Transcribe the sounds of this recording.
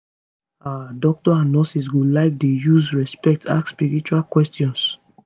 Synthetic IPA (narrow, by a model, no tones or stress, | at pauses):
aadɔk̚tɔãnːɔsis̬ɡulaɪk̚dejuzɹɛspɛk̚tʰa̰kspiɹit͡ʃualkwɛstjɔ̃ns